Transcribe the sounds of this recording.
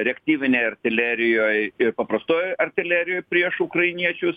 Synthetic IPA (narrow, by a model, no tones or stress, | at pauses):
ɾʲɛkʲt̪ʲiːʋʲɪnʲeːjɐrʲt̪ʲɪlʲæːɾʲɪjoːjɪrpɐpɾɐst̪oːjɐrʲt̪ʲɪlʲæːɾʲɪjoːjpʲɾʲiɛʃʊkɾɐɪnʲiɛt͡ʃʲʊs